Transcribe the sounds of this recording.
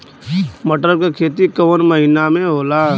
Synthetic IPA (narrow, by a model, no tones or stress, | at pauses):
məʈɾəɾkekʰeːt̪ikɐʋənməɦɪnamẽɦoːla